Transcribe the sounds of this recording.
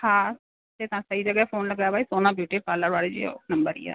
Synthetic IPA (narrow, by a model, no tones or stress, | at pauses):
hãː | t̪eːt̪ãːsəiːd͡ʒəɡɛːpʰoːnləɡaːbaːiːsoːnãːbjuːʈiːpaːləɾʋaːɽeːd͡ʒḭnəmbəɾḭːa̰ː